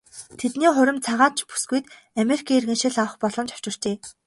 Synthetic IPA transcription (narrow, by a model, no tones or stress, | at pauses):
t̪ʰet̪niːχʊɾʲɪ̆mt͡sʰaʁaːt͡ɕpu̥sɡujt̪ | amerikʰaːirɣɘ̆nʃɪ̆ɮawə̆χpɔɮɞ̆mt͡ɕʰḁw̥t͡ɕɪ̆r̥t͡ɕeː